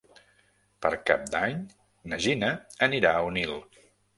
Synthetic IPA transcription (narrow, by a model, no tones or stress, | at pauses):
pəɾka̰p̚d̪aɲ | nəʒinəəniɾaəunilˠ